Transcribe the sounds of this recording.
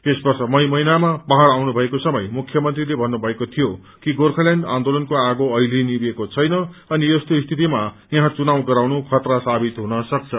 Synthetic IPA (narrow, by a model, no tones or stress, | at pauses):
t̪esbʌrsʌmʌjmʌjnamapʌɦaɾawnubʱʌekosʌmʌjmukʰːjʌmʌnt̪rilebʱʌnːubʱʌekot̪ʰijo | kiɡorkʰʌlaɳɖa̰nd̪olʌnkoaɡoʌjlinibekot͡sʰʌjnʌʌnijʌst̪oist̪ʰit̪ima | jãɦãt͡sunaw̃ɡʌɾawnukʰʌt̪rasabit̪ɦunʌsʌk̚t͡sʰʌ